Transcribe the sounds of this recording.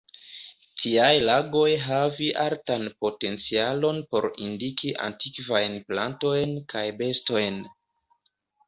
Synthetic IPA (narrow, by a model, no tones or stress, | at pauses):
tʰiajlaɡo̞jɦaviʔaɾtanpo̞te̞nt͡sialo̞npo̞̰ɾḭndikiʔa̰ntikvajnplanto̞jnkajbe̞sto̞jn